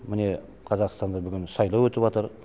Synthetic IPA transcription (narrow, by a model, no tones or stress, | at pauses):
mɪne̞ | qʰɑzɑqst̪ɑnd̪ɑbʏɡʲɪnsɑjlˠɑwɵt̪ɪpwɑt̪əɾ